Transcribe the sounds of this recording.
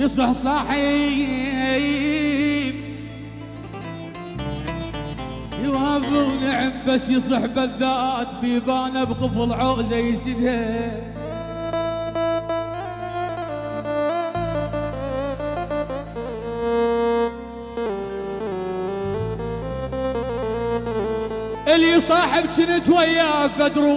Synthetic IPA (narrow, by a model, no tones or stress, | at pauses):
jɨsˤɨħsˤɑħi | j | b | jwaːvʊwnɪʕɪmbasjɨs̬ˤɨħbaðːaːt̪bibaːnabqɨfɪlʕoːʔzajːsɪd̪ha | ʔɪlisˤɑːħɪbt͡ʃɪnit̪wajːaafad̪ɾu